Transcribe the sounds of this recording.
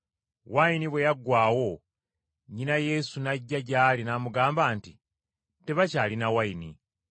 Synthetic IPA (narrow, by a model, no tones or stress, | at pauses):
wainiβwe̞jaɡːwaːwo̞ | ɲinaje̞ːsunaɟːaɟaːlinaːmuɡaːmbaːnti | te̞βacaːlinawainḭ